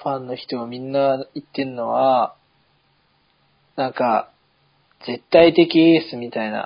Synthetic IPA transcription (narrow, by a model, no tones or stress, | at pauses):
ɸãnːo̞çi̥t̪o̞ɡamʲĩnːait̪ːe̞ɾɯno̞βa | nãŋka | ze̞t̪ːait̪e̞kʲieːsɨmʲit̪aina̰